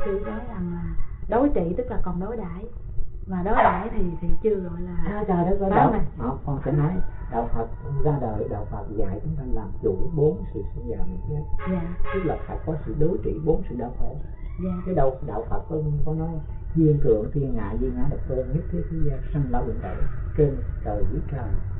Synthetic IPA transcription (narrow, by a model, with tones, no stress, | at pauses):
kɨ̰˧˩˨ɗɔ˨˦za˨˩ŋlaː˨˩ɗo˨˦jt͡ɕḭ˧˨t̪ɨ˦˥k̚laː˨˩kɔ˨˩nɗo˨˦jɗaː˧˩˨j | vaː˨˩ɗo˨˦jɗa̰ː˧˩jt̪ʰi˨˩sɛ̰˧˥t͡ɕɨ˧əɣɔ̰˧˨jlaː˨˩ʔaaː˨˧zaː˨˩ɗɔ˨˦za˧a˨jhə˨˩kɔ˧nsɛ̰˧˥nɔ˨˦j | ɗa̰ː˧˨wfə˨˩t̚zaː˧ɗəː˨˩jɗa̰ː˧˩wfə˨˩t̚za̰ː˧˨jt͡ɕʊ˨˦ŋ͡m̪a˧ŋlaː˨˩mt͡ɕṵ˧˩ɓo˨˦nksɨ̰˧˨si˧ŋzaː˨˩mḭ˨˩˨zə˨˦jaː˨t̪ɨ˦˥k̚laː˨˩fa̰˨˩t̚kɔ˨˦sɨ̰˧˨ɗo˨˦jt͡ɕḭ˧˨ɓo˨˦nsɨ̰˧˨ɗaː˧˨wxo̰ː˧˩˨ | kaː˨˦ɗə˧˨˩wɗa̰ː˧˨wfə˨˩t̚kɔ˧m˧kɔ˨˧˦nːɔ˨˦jzi˧ənt̪ɨ̰˧˨əŋt̪ʰi˧˩ənʔa̰ː˧˨jzi˧ənaː˨˦ɗə˨˩w̚t̪o˧nŋi˦˥t̚t̪ʰi˦˥k̚i˨˦zaː˧sa˧ŋlaː˧˦wɓḭ˧˨nt̪ə̰˧˨jt͡ɕe˧nk̪əː˨˩zi˨˦t͡ɕəː˨˩